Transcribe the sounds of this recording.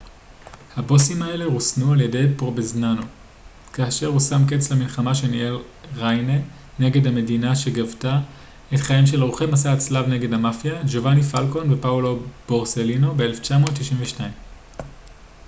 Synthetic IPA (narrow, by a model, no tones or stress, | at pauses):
habo̞simae̞le̞ʁusnualje̞de̞jpoʁbeznano̞ | kaːʃe̞ʁusamket͡slamilχamaʃe̞niel | ʁajne | ne̞ɡe̞dhame̞dinaʃe̞ɡavta | etχaimʃe̞lʁuχejmasat͡slavne̞ɡe̞damafjad͡ʒovanifalko̞nvepaolo̞b̥o̞ʁse̞lino̞beele̞ft͡ʃamo̞ːt̪ːiʃimveʃnaim